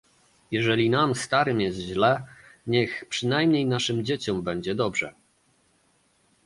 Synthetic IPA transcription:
jɛʐɛlʲinamst̪aɾɘmjɛst̪ʑlɛɲɛxpʂɘnajmɲejnaʂɘmd͡ʑet͡ɕɔmbɛɲd͡ʑɛd̪ɔbʐɛ

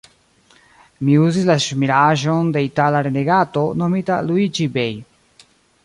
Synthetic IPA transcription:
miuzislaʃmiɾaʒonde̞italaɾeneɡato̞no̞mitaluid͡ʒibej

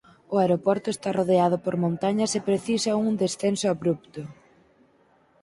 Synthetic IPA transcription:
ʊaeɾopɔɾt̪ʊest̪aroðeað̞ʊpoɾmõnt̪aɲɐsepɾeθisɐuŋd̪esθensʊaβɾupt̪ʊ

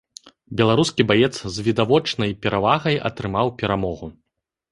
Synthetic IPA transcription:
bʲɛlˠaɾuskʲibajɛt̪szvʲid̪avɔt͡ʂnɐjpʲɛɾavaɣɐjɐ̰t̪ɾɨmawpʲɛɾamɔɣu

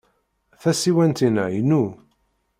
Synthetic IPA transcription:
θæsiwænt̪inæ̰jnu

